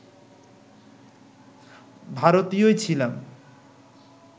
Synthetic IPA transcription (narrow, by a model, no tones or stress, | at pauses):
bʱaɾot̪ijoet͡ɕʰilam